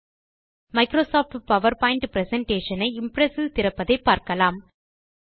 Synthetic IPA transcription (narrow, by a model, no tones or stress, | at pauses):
mɐɪkɾoːsaːfʈpɐʋɐɾpaːɪɳʈpɪɾɛsɛɳʈeːʂɐnɐɪɪmpɾɛsɯt̪ɪɾɐpːɐðɐɪpːaːɾkɐlaːm